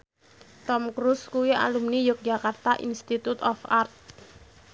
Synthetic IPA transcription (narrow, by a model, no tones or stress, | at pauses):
t̪ɔmkɾuskuwia̰lumnijʊk̚d̥d͡ʒakart̪aʔḭnst̪it̪ut̪ɔfart̪̚